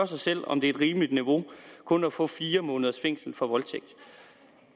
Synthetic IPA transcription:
ɐsɑ̈ɪsel̰ɒ̽md̥e̝æd̥ʁiːməlid̥niʋo̝kʰɔ̽næfɔ̰̽ːfiːɐmɔ̽ːnəð̞ˠɐsfeŋ̰sl̩fɒ̽ʋɒ̽lt͡sʰeɡ̥̚d̥

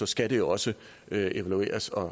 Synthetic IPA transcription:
ɒ̽sɡ̥æd̥e̝jo̝ɒ̽sə | øʔe̝ʋælue̝̰ːɐsɒ̽

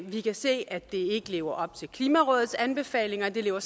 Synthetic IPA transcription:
ʋikʰæse̝̰ːæd̥e̝e̝ɡ̥əle̝ːʊɐʔɒ̽b̥̚t͡sʰe̝lkʰliːmæʁɔ̽ːðˠð̩ˠsænb̥e̝fɛ̰ːle̝ŋɐd̥e̝le̝ːʊɐs

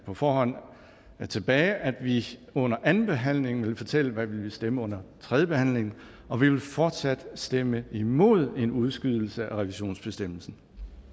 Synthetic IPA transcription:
pʰɒ̽fɒːhɒ̽n̰ | t͡sʰe̝b̥ɛːɪʔæd̥ʋiɔ̽n̰ɐʔænn̩b̥e̝ɦæn̰le̝ŋ̩ʋe̝lfɒt͡sʰel̰əʋæʋe̝lʋisd̥eməɔ̽n̰ɐt͡sʰʁɛðˠjəb̥e̝hæn̰le̝ŋn̩ | ɒ̽ʋiʋe̝lfɒːd̥sæd̥sd̥eməimo̝ð̞̰ˠe̝nuð̞ˠsɡ̥yð̞ˠl̩səæʁɛʋiɕo̝̰ːnsb̥e̝sd̥em̰l̩sn̩

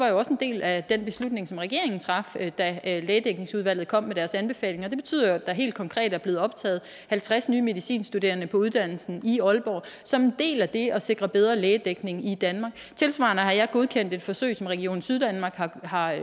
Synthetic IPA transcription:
ʋɑ̈jo̝ɒ̽se̝nd̥e̝̰ːlæd̥enb̥e̝slud̥ne̝ŋsɒ̽mʁɛɡ̥e̝ɐe̝ŋn̩t͡sʰʁɑ̈fd̥æleːd̥eɡ̥ne̝ŋsuð̞ˠʋæl̰ð̩ˠkʰɒ̽m̰mːeɾ̥æɐsænb̥e̝fɛ̰ːle̝ŋɒ̽d̥e̝b̥e̝t͡sʰy̰ð̰ˠjoæd̥ɑ̈ɦe̝̰ːld̥̚kʰɒ̽ŋkʰʁɛ̰ːd̥æɐble̝ːð̩ˠɒ̽b̥t͡sʰɛ̰ːð̞̩ˠ | hælt͡sʰʁasnyːme̝ðˠisḭːnsd̥ude̝̰ːɐnəpʰɒ̽uð̞ˠd̥æn̰l̩sn̩iɒ̽lb̥ɒ̰ː | sɒ̽me̝nd̥e̝̰ːlæd̥e̝ɒ̽se̝ɡ̥ʁɐb̥eð̞ˠʁɐleːd̥eɡ̥ne̝ŋid̥ænmɑ̈ːɡ̥ | t͡sʰe̝lsʋɑ̰̈ːnəhɑ̈jɑ̈ɪɡ̥o̝ð̞ˠkʰen̰d̥e̝d̥fɒ̽sø̰ɪsɒ̽mʁɛɡ̥io̝̰ːn̩syðˠd̥ænmɑ̈ɡ̥hɑhɑ̈

